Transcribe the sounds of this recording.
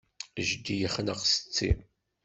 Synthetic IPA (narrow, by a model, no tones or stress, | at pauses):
ʒd̪ijəχnəʁsə̥t͡sːḭ